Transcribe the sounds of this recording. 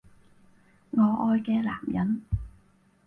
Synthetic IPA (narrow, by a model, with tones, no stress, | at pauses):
ŋɔː˨˧ʔɔː˧jkɛː˧la̰ː˨˩mjɐ˨˥n